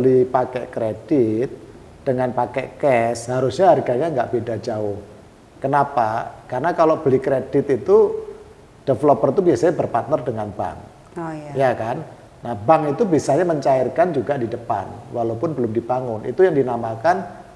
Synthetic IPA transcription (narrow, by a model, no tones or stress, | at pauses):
bəlipakɛ̰ʔkɾed̥ɪt̪̚ | d̥əŋanpakɛ̰ʔkɛshaɾʊsɲaɦarɡaɲaŋɡaʔb̥edad͡ʒaʊh | kənapakarənakaloʔb̥əlikɾed̥ɪt̪it̪u | d̥əflɔpərt̪ubiasaɲabərpart̪̚nərdəŋanba̰ŋ | jakanː | ahbaŋit̪ubisaɲaməɲt͡ʃaɪrkand͡ʒuɡadidəpa̰nwalaupʊnbəlʊmdibaŋʊnʔḭt̪ujaŋdinamakan